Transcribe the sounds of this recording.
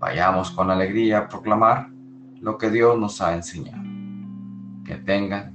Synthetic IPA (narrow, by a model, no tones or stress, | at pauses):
ba̰ʝamo̞sko̞nale̞ɣɾiaːpɾo̞klamaɾ | lo̞ke̞ðjo̞zno̞saense̞ɲa̰ðo | ke̞̰t̪e̞ŋɡan